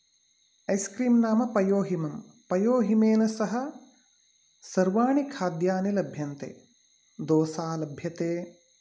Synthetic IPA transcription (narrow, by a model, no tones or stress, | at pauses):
ɐjskɾiːmnaːmɐpɐjoːɦimɐmpɐjoːɦimeːlɐsɐɦɐ̆ | sɐɾʋaːɳikʰaːd̪jaːnilɐbʱjɐnt̪ḛː | d̪oːsaːlɐbʱjɐt̪eː